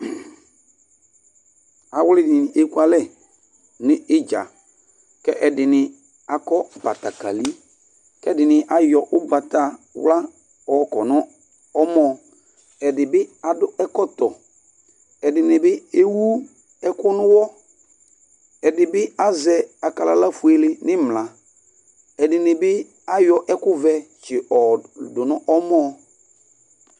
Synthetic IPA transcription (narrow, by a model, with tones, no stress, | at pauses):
a˨wʊ˦lɪ˦dɪ˨nɪ˨e˦ku˦a˦lɛ˦˨ | nɪ˦ɪ˦d͡ʒa̰˨ | kɛ˦ʔɛ˨dɪ˨nɪ˨ | a˨kɔ˦ba̰˨ta˨ka̰˨li˦ | kɛ˦dɪ˨nɪ̃˨ʔa˨jɔ˨ʔʊ˦ba˨ta˨wla˦ | ɔ˨˦kɔ˨nɔ̃˦ | ɔ˦mɔ˨ | ɛ˨dɪ˨bɪ˦a˨dʊ˦ɛ˦kɔ˦t̪ɔ˨ | ɛ˨dɪ˨nɪ˨bɪ˦e˦wu˦ | ɛ˦kʊ˦nʊ̃˦wɔ˦ | ɛ˨dɪ˨bɪ˦a˦zɛ˨a˨ka˨la˨la˦fu˨e˨lɪ˨nɪ˦mla˨ | ɛ˨dɪ˨nɪ˨bɪ˦ | a˦jɔ˨ʔɛ˦kʊ˦vɛ˨t͡ʃɪ˨ɔ˨dʊ˨nɔ̃˦ʔɔ˦mɔ̃˦˨